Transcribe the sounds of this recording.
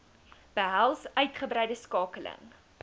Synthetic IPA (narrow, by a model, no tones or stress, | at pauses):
b̥əɦælˠsœɥtχəbɾɛjdəskɑːkələ̰ŋ